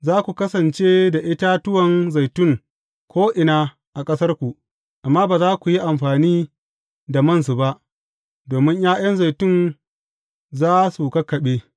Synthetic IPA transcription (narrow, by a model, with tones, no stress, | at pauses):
zaː˦kʷu˨kɐ˦sɐ˨nt͡ʃeː˦da˨ʔɪ˦ta˦tʊ˦wɐ˨nza˨jtʊ˦ŋ | kʷoː˦ʔɪ˨naː˦ | ʔa˨kʼɐ˦sɐ˦rkʷu˨ʔ | ʔa˨mːaː˦baː˨zaː˦kʷu˨ji˦ʔa˨mɸaː˨niː˦ | da˨mɐ˦˨nsu˨ba˦ʔ | doː˨mɪ˦ɲjaː˦j̰ɐ˦nza˨jtʊ˦˨n | zaː˦su˨kɐ˦kːɐ˨ɓeː˦